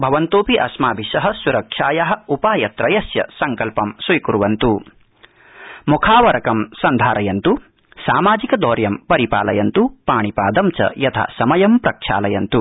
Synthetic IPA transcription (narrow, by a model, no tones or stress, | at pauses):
bʱɐʋɐnt̪oːpiʔɐsmaːbʱiʃɐɦɐ̆suɾɐkʂaːjɐɦɐ̆upaːjɐt̪ɾɐjɐsjɐ̰sɐŋkɐlpɐmsʋɐjkuɾʋɐnt̪u | mukʰaːʋɐɾɐkɐmsɐnd̪ʱaːɾɐjɐnt̪u | saːmaːd͡ʒikɐd̪ɔːɾjɐmpɐɾipa̰ːlɐjɐnt̪upaːɳipaːd̪ɐmt͡ʃɐ̰jɐt̪ʰa̰ːsɐmɐjɐmpɾɐkʂa̰ːlɐjɐnt̪u